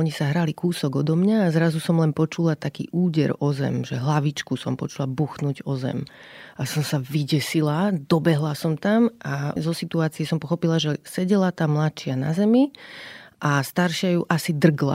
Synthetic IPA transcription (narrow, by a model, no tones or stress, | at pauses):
ɔɲisaɦɾalikuːsɔɡɔd̪ɔmɲaːzɾazusɔmlɛnpɔt͡ʃulat̪akḭːʔuːɟɛɾɔzɛ̰mʒɛɦlaʋit͡ʃkusɔmpɔt͡ʃulabuxnuɟɔzɛ̰m | asɔmsaviɟɛsilad̪ɔbɛɦlasɔmt̪amazɔsit̪uaːt͡siɛsɔmpɔxɔpilaʒɛsɛɟɛlat̪aːmlat̪t͡ʃɪana̰zɛmi | ʔast̪aɾʃɪajuʔasid̪r̩ɡla̰